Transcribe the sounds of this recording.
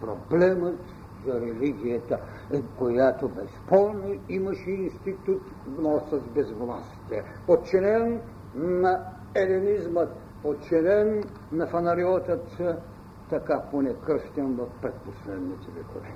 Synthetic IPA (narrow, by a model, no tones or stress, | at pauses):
pɾoblɛmət̪ | zɐɾɛliɡʲijɐt̪ə | kojat̪obɛspɔlˠnoimɐʃɛinst̪it̪ut̪ | vnɔsɐzbɛzvlˠasi̥t̪ɛ | ot̪t͡ʃɛnɛnː | ɐ | ɛlinizmət̪ | ot̪t͡ʃɛnɛnː | ɐfɐnɐɾiɔt̪ət̪ː | ɐkaponɛkɾəʃt̪ʲɛnvɐfpɾɛt̪̚poslɛd̪nit̪ɛvɛ̰kovɛ